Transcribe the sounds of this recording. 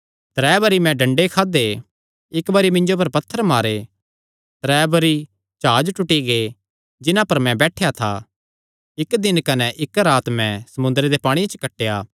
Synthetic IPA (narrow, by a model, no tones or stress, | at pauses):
t̪ɾɛːbɐɾimɛ̃ɖɐ̃ɳɖekʰaːd̪e | ɪkbɐɾimɪ̃ɲd͡ʒop̬ɐɾpɐt̪ʰːəɾmaːɾe | t̪ɾɛːbɐɾi | t͡ʃaːd͡ʒʈʊʈːiɡe | d͡ʒɪnãpɐɾmɛ̃bɛːʈʰejat̪ʰa̰ | ɪkd̪ɪnkɐnɛʔɪkɾaːt̪mɛ̃sɐmʊ̃nd̪ɾed̪epaːɽ̃iat͡ʃkɐʈːeːjaː